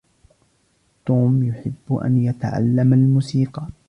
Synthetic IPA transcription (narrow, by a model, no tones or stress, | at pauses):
t̪uːmjʊħɪbːʊʔa̰njat̪a̰ʕa̰lːamalmuːsiːqɑ